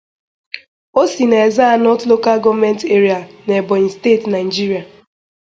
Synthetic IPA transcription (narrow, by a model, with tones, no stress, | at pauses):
o˦si˨ne˨e˨za˦˨nɔ˦tlo˦ka˦ɡɔ˦vme˦n˦te˦ɾi˨a˨ne˨bɔ˨i˨steː˦˨tna˨ɪ˨d͡ʒi˦ɾi˨a˨